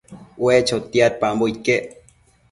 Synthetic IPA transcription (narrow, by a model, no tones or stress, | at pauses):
wet͡ʃot̪iat̪̚pamboit̪̚keʔ